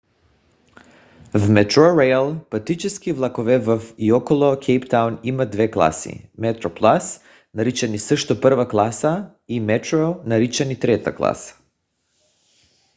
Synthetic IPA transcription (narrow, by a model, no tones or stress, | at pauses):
vmɛt̪ɾoɾɛjalˠpat̪it͡ʃɛskivlˠakovɛvafiɔkɔlˠɔkʰejpt̪awnimad̪vɛklˠa̰sḭmɛt̪ɾoplˠas | naɾit͡ʃanisəʃt̪ɔpəɾvaklˠasa | imɛt̪ɾonaɾit͡ʃanit̪ɾɛt̪aklˠa̰sḁ